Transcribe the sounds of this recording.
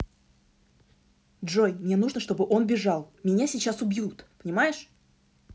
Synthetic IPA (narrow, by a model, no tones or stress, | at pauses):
dʐo̞jmnʲe̞nuʐnəʂt̪o̞bɨʔo̞nbʲɪʐɑlˠmʲɪnʲasʲɪt͡ɕːasʊbʲjut̪pə̥nʲɪmajɪʂ